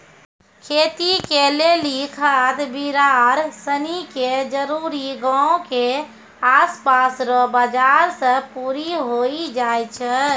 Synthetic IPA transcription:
kʰet̪ikelelikʰət̪biɾaɾsəniked͡ʒəɾuɾiɡãõke | aspasɾɔbad͡ʒaɾsə̃puɾiɦoid͡ʒajt͡ʃʰə

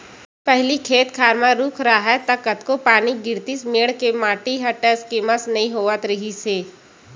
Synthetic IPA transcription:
pɛɦlikʰeːt̪kʰaːɾmãɾuːkʰɾaɦɛt̪ɐkət̪kopaːniɡɪɾt̪ismeːɽkemaːʈiɦɐʈəskeməsnɐɦĩɦoːʋət̪ɾɐɦiseː

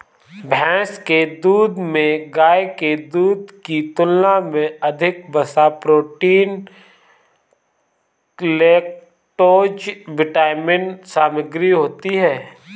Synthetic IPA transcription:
bʱɛ̃ːsked̪uːd̪mẽɡaːeked̪uːd̪kit̪ʊlnamẽɐd̪ʱɪk̚bɐsaːpɾoːʈiːn | leːk̚ | ʈoːd͡ʒʋɪʈaːɪmɪnsaːməɡɾiɦoːt̪iɦɛː

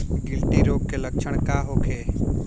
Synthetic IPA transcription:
ɡɪlʈ̪iɾoːɡ̚kelək̚t͡ʃʰəɽ̃kaɦoːkʰeː

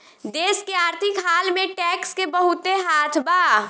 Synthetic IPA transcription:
d̪eːskeaːɾt̪ʰɪkɦaːlmẽʈɛːkskebəɦʊt̪eɦaːt̪ʰbaː

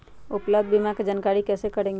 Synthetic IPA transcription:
upləb̚d̪̚ʱbimaked͡ʒankaɾikɛsekəɾẽŋɡe

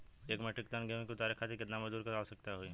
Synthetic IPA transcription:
eːkmɛʈɪkt̪anɡemkʊt̪aːɾekʰat̪ʰekɪt̪namɐzd̪uːɾkaaosɐk̚t̪aɦoi

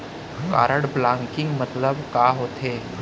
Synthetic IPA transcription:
ka̰ːɾəɽblãːŋkɪ̃ŋɡmɐt̪ləbkaːɦoːt̪ɦeː

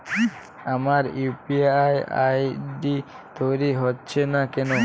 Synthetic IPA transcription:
amaɾupiaja̰jɖi | t̪ojɾiɦotːɕʰenakɛno

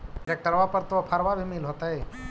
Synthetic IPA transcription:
ɾek̚ʈəɾʋapəɾt̪oapʰaɾʋabʱimeːlɦoːt̪aɦeː

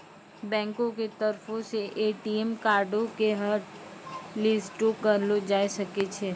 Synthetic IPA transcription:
bɛ̃ːŋkõket̪ɐɾfʰõseʔeːʈiemkaːɾɖõkeɦɐɾ | lɪsʈokɐɾlod͡ʒaːesɐket͡ʃʰeː

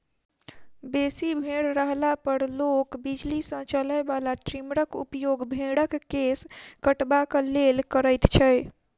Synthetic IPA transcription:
besibʱeɽɾəɦlapəɾlokbid͡ʒlisə̃t͡ʃələjbalaʈɾimɾəkṵpjoɡbʱeɽəkːeskəʈbakəlelkəɾəjt̪t͡ʃʰəj

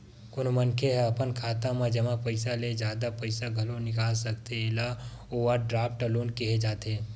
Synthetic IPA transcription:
kʊnmɐnkʰeɦɛɐpənkʰaːt̪ãmãd͡ʒɐmapɐɪsaled͡ʒjaːd̪apɐɪsaɡʱɐlõnɪkaːlsɐkt̪eɪla | oːʋəɾɖɾaːpʈəluːnkiɦed͡ʒaːt̪eː

